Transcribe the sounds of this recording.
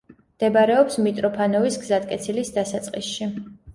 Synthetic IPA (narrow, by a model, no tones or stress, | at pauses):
md̪̥ɛbaɾɛɔpsmit̪ʼɾɔpʰanɔvisɡzat̪̚ʼkʼɛt̪sʰilisd̪asat̪sʼqʼisʃi